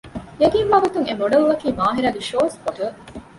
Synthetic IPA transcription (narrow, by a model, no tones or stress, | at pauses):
jeɡ̪iːmʋɐɡɐt̪uŋemoɖɐluʋɐkiːmaːɦiɾɐdiʃoːskoʈɐ